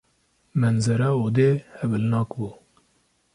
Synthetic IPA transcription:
mɛnzɛɾɑːod̪ehɛbɨlnɑːkbuː

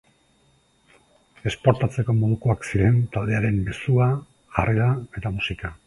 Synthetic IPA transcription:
e̞spo̞ɾt̪at͡se̞ko̞mo̞ð̞ukoaksiɾe̞nt̪ald̪e̞aɾe̞mme̞sua | ɣa̰reɾae̞t̪amusika

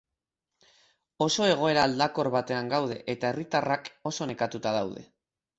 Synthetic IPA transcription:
o̞so̞e̞ɣ̞o̞e̞ɾaːld̪ako̞ɾβat̪e̞aŋɡawð̞e̞ʔet̪ae̞rit̪arako̞so̞ne̞kat̪ut̪aðawðe̞̰

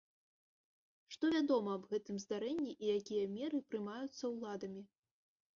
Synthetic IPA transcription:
ʂt̪ɔvʲad̪ɔmɐːbɣɛt̪ɨmzd̪aɾɛnʲːiʔijakʲijɐmʲɛɾɨpɾɨmajut̪sːɐwlˠad̪ɐmʲi

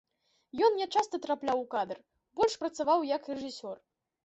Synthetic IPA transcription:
jɔnnʲɛt͡ʂast̪ɐt̪ɾaplʲawkad̪ɨr | bɔlʲʂpɾɐt̪savawjɐkrɛʐɨsʲɔr

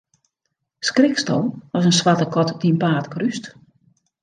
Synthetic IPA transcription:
skrɪkstɔ̰lˠɔsənsʋatəkɔtdiənpaːtkryst

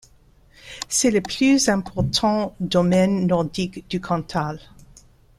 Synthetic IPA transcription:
sɛləpʰlyzɛ̃pʰɔʁt̪ʰɑ̃d̪ɔmɛnːɔʁd̪ikd̪̥ykʰɑ̃t̪ʰal

